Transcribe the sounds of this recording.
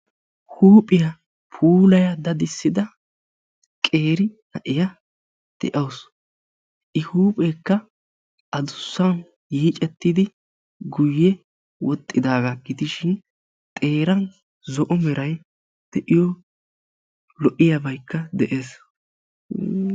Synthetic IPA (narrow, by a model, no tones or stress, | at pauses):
huːpʼɪjɐ | pʰuːlɐjɐd̪ɐd̪ɪsːɪd̪ɐ | kʼe̞ːɾɪnɐʔɪjɐ | d̪̥ɛ̰ʔɐws | ʔɪhuːpʼeːkːɐ | ʔɐd̪ʊsːɐn | jiːt͡ʃʼɛt̪ːɪd̪ɪ | ɡʊjːɛ | wɔt̪ʼːɪd̪aːɡɐɡɪd̪ɪʃɪn | t̪ʼe̞ːɾɐn | zɔʔɔmɛɾɐj | d̪̥ɛʔɪjɔ | lɔʔɪjɐbɐjkːɐd̪ɛʔe̞ːs